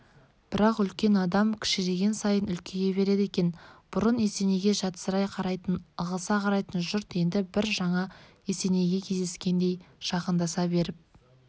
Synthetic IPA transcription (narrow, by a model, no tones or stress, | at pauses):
b̥ɪɾɑqʏlkʲe̞nɑd̪ɑmkʲʰɪ̥ʃɪd̪e̞ɡʲe̞nsɑjənʏlkʲe̞ɡʲe̞be̞ɾe̞d̪ekʲe̞nb̥ʊɾəne̞se̞ne̞ɡʲe̞ʒɑt̪ə̥səɾɑjqʰɑɾɑjt̪ənəʁəsɑqʰɑɾɑjt̪ənʒʊɾt̪je̞nd̪ɪbɪɾʒɑɴɑ | ese̞ne̞ɡʲe̞kʲʰe̞zd̪e̞skʲe̞nd̪e̞jʒ̥ɑqənd̪ɑsɑbe̞ɾɪp̚